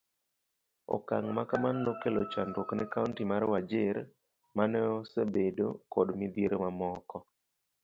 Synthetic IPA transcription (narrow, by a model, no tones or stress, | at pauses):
ɔ̰kaŋmakamanːokelot͡ʃandwoknɛkauntimaɾwad͡ʒɪɾ | manɛosebedo̰kɔdmɪd̪jeɾomamɔkɔ